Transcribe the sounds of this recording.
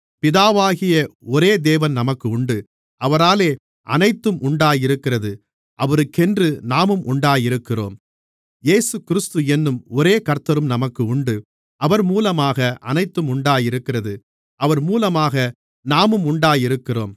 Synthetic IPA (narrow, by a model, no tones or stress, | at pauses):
pɪðaːʋaːɣɪjɐɔɾeːd̪eːʋɐnnɐmɐkːɯʊɳɖɯ | ʔɐʋɐɾaːleː | ʔɐ̰nɐɪt̪ːɯmʔʊɳɖaːjɪɾɯkːɪrɐðɯ | ʔɐʋɐɾɯkːɛndrɯnaːmɯmʔʊɳɖaːjɪɾɯkːɪro̰ːm | jeːsɯkɪɾɯst̪ɯɛnːɯmɔɾeːkɐɾt̪ːɐɾɯmnɐmɐkːɯʊɳɖɯ | ʔɐʋɐɾmuːlɐmaːɣɐʔɐ̰nɐɪt̪ːɯmʊɳɖaːjɪɾɯkːɪrɐðɯ | ʔɐʋɐɾmuːlɐmaːɣɐ | naːmɯmʊɳɖaːjɪɾɯkːɪro̰ːm